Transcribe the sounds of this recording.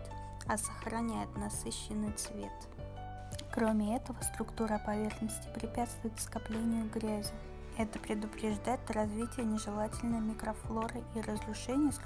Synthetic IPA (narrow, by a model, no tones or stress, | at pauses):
ɐsəxrɐnʲæjɪt̪nɐsɨɕːɪnːɨjt̪svʲḛt̪ | kɾo̞mʲɪɛt̪əvəst̪ɾʊkt̪uɾəɐpɐvʲe̞rxnəsʲtʲɪ̥pɾʲɪpʲæt̪st̪vʊjɪt̪skɐplʲenʲɪjʊɡɾʲæzʲɪ | ɛt̪əpɾʲɪd̪ʊpɾʲɪʐd̪ajɪt̪rɐzvʲitʲɪjənʲɪʐɨlˠatʲɪlʲnəjmʲɪkɾɐflˠo̞ɾɨʔirəzrʊʂɛnʲɪjəs